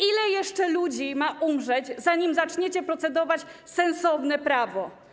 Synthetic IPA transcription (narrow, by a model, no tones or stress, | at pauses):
ilɛjɛʂt͡ʂɛlud͡ʑimaʔumʐɛd͡ʑzaɲimzat͡ʂɲet͡ɕɛpɾɔt̪sɛd̪ɔvat͡ɕsɛnsɔvnɛpɾavɔ